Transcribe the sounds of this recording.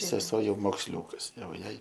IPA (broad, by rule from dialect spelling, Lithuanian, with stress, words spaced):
sʲɛˈsuɔ ˈjɛʊ moːksʲˈlʲuːkɐs ˈjɛʊ ˈjɛɪ